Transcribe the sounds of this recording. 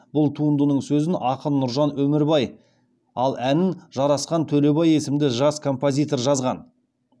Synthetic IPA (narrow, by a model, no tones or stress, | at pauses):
bʊlˠt̪ʰuənd̪ənəɴsɵzɪnʔɑqənnːʊɾʒɑnwɵmɪɾbɑj | ɑlˠʔænɪnʒɑɾɑsqɑnt̪ʰɵle̞bɑje̞sɪmd̪ɪʒɑskʰo̞mpozʲijt̪o̞rʒɑzʁɑn